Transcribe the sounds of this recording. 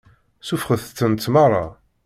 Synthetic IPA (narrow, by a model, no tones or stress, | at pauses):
sufχəθt̪ːənt͡s̪ːmɑrˤɑ